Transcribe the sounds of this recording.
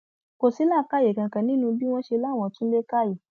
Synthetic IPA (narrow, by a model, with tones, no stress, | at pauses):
ko˨si˨˦la˦˨ka˦je˨kã˨kã˨nĩ˨˦nũ˧bi˦w̃ɔ̃˦ʃe˧la˦˨w̃ɔ̃˧˨tũ˦le˦ka˦˨je˨